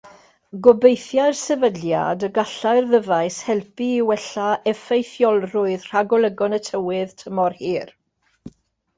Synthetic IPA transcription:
ɡɔbejθjaɨrsɛvədja̰dəɡaɬaɨrðəvaɨshɛlˠpiːwɛɬaʔɛfejθjɔlˠrʊɨðr̥aɡɔlˠəɡɔnətʰəwɨðtʰəmɔrhiːr

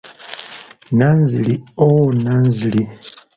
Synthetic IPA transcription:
naːnziliowonaːnzili

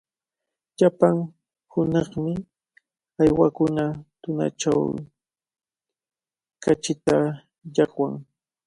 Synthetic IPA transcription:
ʎapaŋ | hʊnɑχmɪ | ajwakʊnat̪ʊna̰ʈ͡ʂa̰w | kat͡ʃɪt̪a | ʎɑχwaŋ

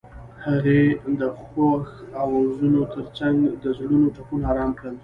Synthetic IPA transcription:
haɣed̪əxwaxawawzunot̪ʰəɾt͡saŋɡd̪əzɽunoʈakunɑɾɑmkɽəl

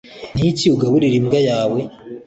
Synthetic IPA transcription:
niiciuɡaβuɾiɾimɡajaːwe̞

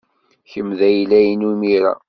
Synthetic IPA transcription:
çəmðæjlæjnumiɾæ̰

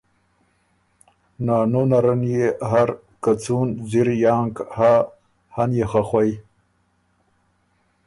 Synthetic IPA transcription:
nɑːnonaɾanjeɦaɾ | kat͡sunziɾjaːŋkha | hanjexaxwaj

